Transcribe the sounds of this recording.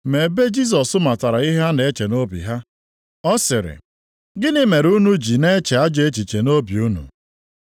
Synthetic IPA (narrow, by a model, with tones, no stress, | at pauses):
me˨be˦d͡ʒi˦s̬ɔ˨sʊ˦ma˨ta˨ɾa˨i˦ɦa˦ne˨˦t͡ʃe˨no˦bḭ˨ɦa˦ | ɔ˦sɪ˨ɾɪ̰˨ | ɡɪ˦nɪ˦me˨ɾu˦nu˦d͡ʒi˨ne˦t͡ʃe˨a˦d͡ʒe˦t͡ʃi˨t͡ʃe˨no˦bi˨u˦nṵ˨